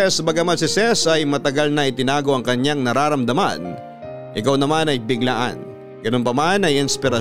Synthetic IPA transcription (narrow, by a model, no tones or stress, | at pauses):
ɛsbɐɡamɐsɪsɛsɐjmɐt̪ɐɡalnɐʔɪt̪ɪnaːɡo̞ʔɐŋkɐɲːaŋnɐɾaːɾɐmd̪ɐma̰n | ʔɪ̰kawnɐmanɐjbɪɡlaʔa̰n | ɡ̥ɐno̞npɐmanɐjʔɪnspɪɾɐ